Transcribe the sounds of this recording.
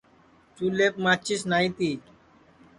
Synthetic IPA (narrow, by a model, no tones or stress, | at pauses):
t͡ʃuːleːpmaːt͡ʃisnaːĩt̪iː